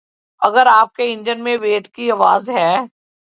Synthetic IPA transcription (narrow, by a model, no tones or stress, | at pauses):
ɐɡəɾaːp̚keɪ̃ɲd͡ʒənmẽʋeːʈkiɐʋaːzɦɛː